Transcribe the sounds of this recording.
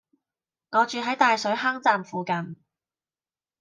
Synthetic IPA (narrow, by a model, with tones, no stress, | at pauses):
ŋɔː˨˧t͡ʃyː˨ɦɐ˨˥jt̪aː˨jsɵ˨˥ɥɦɐ˥ŋt͡saː˨mfuː˨˧kɐ˨˩n